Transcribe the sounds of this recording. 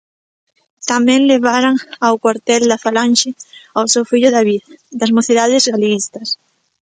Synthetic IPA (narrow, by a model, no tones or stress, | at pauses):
t̪amɛ̃ŋleβ̞aɾaŋawkwaɾt̪ɛld̪afalanʃɪawsewfiʎʊðaβiðd̪azmoθiðaðɪzɣalist̪ɐs